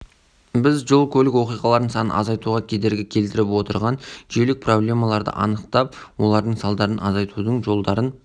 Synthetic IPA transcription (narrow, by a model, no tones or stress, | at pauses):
bɪzʒo̞lˠkʲʰɵlɪkwo̞qijʁɑlˠɑɾd̪əɴsɑnənɑ̰zɑjt̪uʁɑkʲʰe̞d̪e̞ɾɡʲɪkʲʰe̞lt̪ɪɾɪpwo̞t̪əɾʁɑnʒelɪk̚pʰro̞blʲe̞mɑlˠɑɾd̪ə̰ʔɑ̰nəqt̪ɑp̚wo̞lˠɑɾd̪əɴsɑlˠd̪ɑɾənɑzɑjt̪ud̪əɴʒo̞lˠd̪ɑɾən